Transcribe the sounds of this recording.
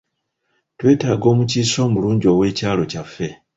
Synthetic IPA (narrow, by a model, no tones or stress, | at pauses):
twe̞ːtaːɡo̞ːmuciːso̞ːmuluːɲɟo̞we̞ːcaːlo̞cafːe̞